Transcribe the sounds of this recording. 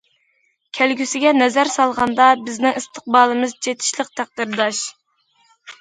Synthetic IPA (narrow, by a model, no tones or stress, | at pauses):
kʲʰælɡʲysɪɡʲɛnɛzæɾsɑlˠʁɑnd̪ɑbɪznɪŋist̪ʰə̥q̚bɑːlˠɨmɨzd͡ʒet̪ʰɪ̥ʃlˠəq̚t̪ʰæq̚d̪ɪɾd̪ɑʃ